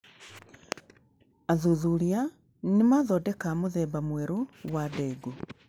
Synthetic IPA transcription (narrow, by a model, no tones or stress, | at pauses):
aðuðuɾia | nemaːðɔːdɛkamoðɛːbamwɛɾowadɛɡo